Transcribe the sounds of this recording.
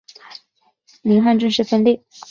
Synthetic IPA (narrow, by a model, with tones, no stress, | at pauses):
li˧˥ŋxa˥˧nʈ͡ʂy˥˧nʂɻ̩˥˩fə˥nli˥˩